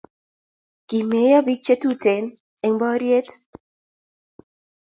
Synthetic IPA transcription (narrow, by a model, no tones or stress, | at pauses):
kimejavit͡ʃːet̪ut̪en | eŋbɔɾjet̪